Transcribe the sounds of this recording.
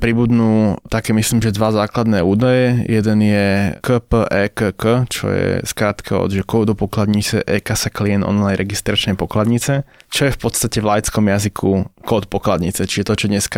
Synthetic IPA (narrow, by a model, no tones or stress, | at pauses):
pɾibud̪nuːt̪akɛːmisliːmʒɛd̪ʋazaːklad̪nɛuːd̪ajɛjɛd̪ɛnjɛkəpəʔɛːkəkət͡ʃɔ̰jɛ̰skɾaːt̪kʰaɔ̰d̪ʒɛkɔːd̪ɔpɔklad̪ɲit͡sɛʔɛːkasakliɛnd̪ʔɔ̰nlajnɾɛɡist̪ɾat͡ʃnɛjpɔklad̪ɲit͡sɛt͡ʃɔjɛfpɔt̪st̪acɛvlajt͡skɔmjazikʰukɔːt̪pɔklad̪ɲit͡sɛt͡ʃiʒɛt̪ɔt͡ʃɔd̪ɲɛska